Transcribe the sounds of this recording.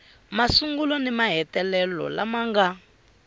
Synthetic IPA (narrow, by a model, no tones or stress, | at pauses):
masuŋɡulɔnimaɦɛtɛlɛlɔ̰la̰maŋɡa